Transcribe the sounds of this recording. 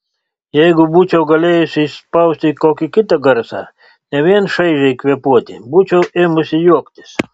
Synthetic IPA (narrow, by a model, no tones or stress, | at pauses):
jɛjɡʊbut͡ʃʲɛwɡɐlʲeːjʊsʲispɑwsʲt̪ʲikoːkʲikʲɪt̪ɐɡɐɾsɑ̰ | nʲɛʋʲiɛnʃɐɪʒʲɛjkʋʲiɛpuɔt̪ʲɪbut͡ʃʲɛwʔeːmʊsʲɪjuɔkt̪ʲɪ̥s